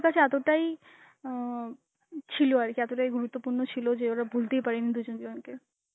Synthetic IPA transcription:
kat͡ɕʰeɛt̪oʈai | t͡ɕʰiloaɾkeɛt̪oʈaiɡuɾut̪ːopuɾnot͡ɕʰilod͡ʒeoɾabʱult̪ejpaɾenid̪ud͡ʑonɡ̪eonke

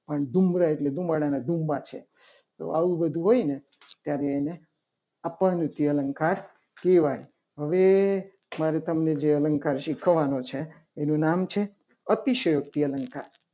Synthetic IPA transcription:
pəɳd̪ʱumɾaeʈled̪ʱumbaɽanad̪ʱumbat͡ʃʰḛ | t̪o̰ʔaʋũbəd̪ʱuɦojne | t̪jaɾeːne | apənut̪iələŋkaɾ | keʋaj | ɦəʋe | maɾet̪əmned͡ʒeələŋkaɾʃikʰəʋanot͡ʃʰeː | nũnamt͡ʃʰe | ət̪iʃəjok̚t̪iələŋkaɾ

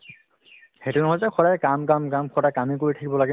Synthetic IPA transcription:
hetunɔɦɔzɛkʰɔɾajkamkamkamkʰɔdajkamikoɹitʰakibɔlaɡɛ

